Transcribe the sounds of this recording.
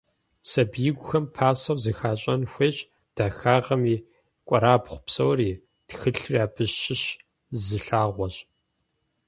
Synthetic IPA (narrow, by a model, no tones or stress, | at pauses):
sɐbjɪɡʷʊxɐmpʰaːsɐwzɨxaːɕʼɐnxʷeːɕʼ | d̥axaːʁɐmiː | kʷʼɔɾaːbχʷʊ̥psɐwriː | txɨɬraːbʰɨɕɕɪɕ | zɨɬaːʁʷɔɕʼ